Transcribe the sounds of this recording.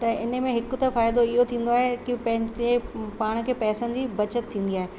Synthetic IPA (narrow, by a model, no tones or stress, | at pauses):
t̪ɐɪnəmẽɦɪkʊ̆t̪ɐfaːɪd̪oɪɦot̪ʰĩːn̆d̪oaːɦekipɐ̃ɦɪ̃d͡ʑepaːɽ̃kʰeːpɛːsənɪ̆d͡ʑibɐt͡ɕət̪t̪ʰːĩːn̆d̪iaːɦe